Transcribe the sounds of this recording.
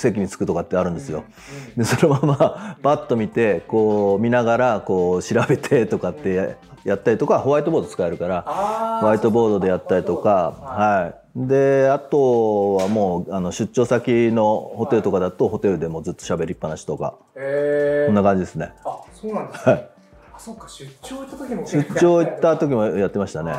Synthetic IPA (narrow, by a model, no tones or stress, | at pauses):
se̞kʲiɲ̟it͡sɨ̥kɯ̟t̪o̞kat̪ːeaɾɯ̟̃nd̪e̞sɨjo̞̰ | d̪e̞so̞nomamapat̪ːo̞mʲit̪e̞ko̞ːmʲinaɡaɾako̞ːɕiɾabe̞t̪ʰe̞t̪o̞kat̪ːe̞ | jat̪ːaɾit̪o̞kaho̞βait̪obo̞ːd̪ot͡sɨ̥kae̞ɾɯ̟kaɾaho̞βait̪o̞bo̞ːd̪o̞d̪e̞jat̪ːaɾʲit̪o̞kahai | d̪e̞at̪o̞βamo̞ːano̞ɕɨt̚t͡ɕːo̞ːsakʲino̞ho̞t̪e̞ɾɯ̟t̪o̞kad̪at̪o̞ho̞t̪e̞ɾɯ̟d̪e̞mo̞zɨt̪ːo̞ɕabe̞ɾʲiipːanaɕi̥t̪o̞ka̰ | so̞nːakãɲ̟d͡ʑid̪e̞sɨne̞̰ | hai | ɕɨt͡ɕo̞ːit̪ːat̪o̞kʲimo̞jat̪ːe̞maɕi̥t̪ane̞̰